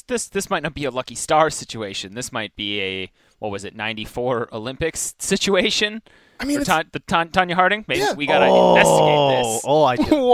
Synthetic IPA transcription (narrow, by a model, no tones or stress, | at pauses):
ðɪsðɪsmaɪtⁿnɨt̚b̥iɨlʌkistɑɹsɪt͡ʃʉeɪʃɨ̃nðɪsmaɪt̚b̥iɨ | wʌt̚wʌzɨtⁿnãɪ̃ntifɔɹo̰ʊlɪ̃mpɨkssɪt͡ʃueɪʃɨ̃n | aɪĩə˞tʰðɨtʰɑ̃ntʰɑ̃njɨɦɑɹɾɪ̃ŋmeɪbiwiɡɑɾaɪ̃ɛstðɪsoʊaɪ